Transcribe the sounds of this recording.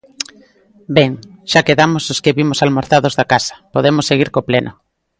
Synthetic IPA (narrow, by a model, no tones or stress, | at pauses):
beŋʃakeðamososkeβimosalmoɾθaðozðakasɐ̥poðemosːeɣ̞iɾkopleno